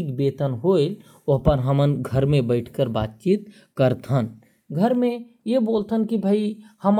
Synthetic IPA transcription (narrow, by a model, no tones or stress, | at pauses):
kbeːt̪ənɦoːɪl | ɐɦpəɾɦəmənɡʱəɾmẽbəɪʈʰkəɾbaːt̪̚t͡ʃiːt̪ | kəɾt̪ʰən | ɡʱəɾmẽ | jeboːlt̪ʰənkibʱaihəm